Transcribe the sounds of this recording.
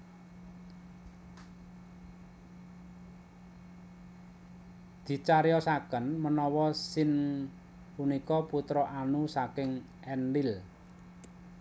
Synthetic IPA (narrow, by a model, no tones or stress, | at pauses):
d̪̥i̤t͡ʃaɾejɔsakənmənɔwɔsɪn | punikɔput̪ɾɔʔanusakɪŋ | ʔɛnɖɪl